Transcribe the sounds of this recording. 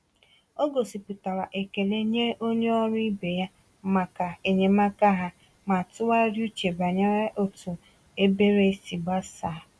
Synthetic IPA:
o˦ɡo˨si˨pu˨ta˨ɾa˨ʔe˨ke˨le˦ɲe˦ʔo˦ɲe˦ɔ˦ɾʊ˦i˦be˨ja˦ | ma˨ka˨e˨ɲe˨ma˦ka˦ɦa˦ | ma˨tʊ˦wa˦ɾju˦t͡ʃe˨ba˨ɲa˦ɾa˦ʔo˦tu˨ | e˦be˦ɾe˦si˨ba˦sa˨

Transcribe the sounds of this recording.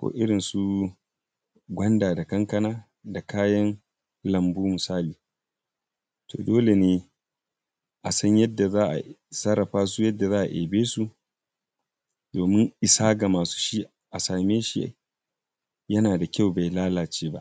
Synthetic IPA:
kʷo̰ː˨ʔɪ˦ɽɪ˨nsu˦ | ɡʷɐ˦ndaː˨da˨kɐ˦ŋkɐ˦naː˦ | da˨kaː˦jɐ˦n | lɐ˨mbuː˦mʊ˨saː˦liː˨ | tʰo̰ː˨doː˦le˨neː˦ | ʔa˨sɐ˦ɲjɐ˦dːa˨zaː˦ʔa̰˨sɐ˦ɾɐ˨ɸaː˦su˦jɐ˦dːa˨zaː˦ʔa̰˨ʔḛː˨beː˦su˦ | doː˨mɪ˦ŋʔɪ˨saː˦ɡa˨maː˨su̥˦ʃi˦ | ʔa˨saː˨meː˦ʃi˦a̰˨ | jɐ˦naː˨da˨kʲa˦˨wba˨jlaː˦laː˨t͡ʃeː˦ba˦ʔ

